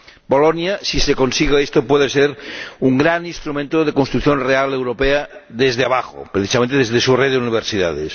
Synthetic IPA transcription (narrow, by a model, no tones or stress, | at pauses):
bolonjasisekonsiɣeest̪opweðeseɾuŋɡɾaninst̪ɾumẽnt̪oð̞ekonst̪ɾuθjonrealewɾopeaðezðeaβaxo̰pɾeθisamẽnt̪eezðesureðeuniβ̞eɾsiða̰ðḛs